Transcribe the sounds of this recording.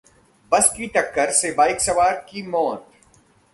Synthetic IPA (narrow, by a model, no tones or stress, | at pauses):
bɐskiʈ̪ɐkːəɾsebaːɪksɐʋaːɾkimɔːt̪